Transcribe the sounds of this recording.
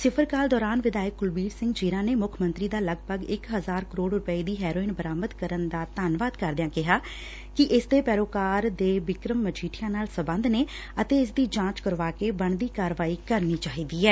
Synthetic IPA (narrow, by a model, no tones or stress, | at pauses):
sɪpʰəɾkaːld̪ɔːɾaːnʋɪd̪aːjək̚ɡʊlbiːɾsɪ̃ŋɡd͡ʒiːɾãːneːmʊkʰmə̃nt̪ɾiːd̪aːləɡpəɡɪkɦəzaːɾkəɾoːɖɾʊpəiːd̪iːɦɛːɾoːɪnbəɾaːməd̪kəɾənd̪aːt̪aːnʋaːd̪kəɾd̪ɪjãːkɪɦaː | kɪʔɪsd̪eːpɛːɾoːkaːɾd̪eːʋɪkɾəmːət͡ʃʰiːʈʰɪjãːnaːlsəbə̃nd̪neː | ət̪eːɪs̬d̪iːd͡ʒãːt͡ʃkəɾʋaːkeːbəɳd̪iːkaːɾʋaːiːkəɾniːt͡ʃaːɦiːd̪iːɛː